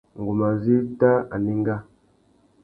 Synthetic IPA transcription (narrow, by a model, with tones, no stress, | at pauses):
ŋ˨ɡu˨ma˨zi˦vta˦a˨ni˦ŋ˦ɡa˦